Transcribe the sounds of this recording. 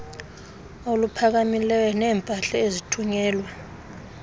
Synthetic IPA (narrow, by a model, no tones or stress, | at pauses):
olupʰak̬amilɛwɛnɛːmpʼaɬɛezitʰuɲɛːlwa